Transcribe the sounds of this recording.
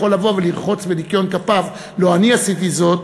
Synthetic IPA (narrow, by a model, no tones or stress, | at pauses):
o̞lavo̞veliʁχo̞t͡svedikjo̞nkapav | lo̞aniasit̪izo̞t̪